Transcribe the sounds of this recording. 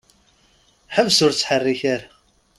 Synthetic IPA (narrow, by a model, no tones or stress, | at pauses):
ħəvsʊɾt͡sːħərːiçæɾa